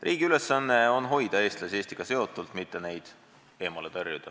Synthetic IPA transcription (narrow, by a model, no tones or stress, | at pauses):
rʔiːɡ̥iyle̞sːɑnːe̞o̞nɦo̞jd̪̥ɑe̞ːst̪lɑsie̞ːst̪iɡ̥ɑse̞o̞t̪ːˑult̪mit̪ːe̞ne̞jd̪̥ | e̞ːmɑlepærjud̪̥ɑ